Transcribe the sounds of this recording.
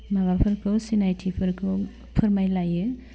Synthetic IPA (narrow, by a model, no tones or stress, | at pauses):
maβapʰɯɾkʰɯsinajtʰipʰɯɾkʰɯ | pʰɯɾmajlajɯ